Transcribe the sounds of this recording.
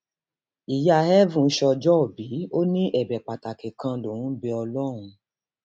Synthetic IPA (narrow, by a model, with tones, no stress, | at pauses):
i˨ja˧˨hɛ˦vũ˦˨˦ʃɔ˧d͡ʒɔ˦o˨bi˨˦o˦nĩ˦ʔɛ˦˨bɛ˨k͡pa˨ta˨ke˨kã˧lo˨ũ˦bi˧ɔ˧lɔ˦˨ɾ̃ũ˧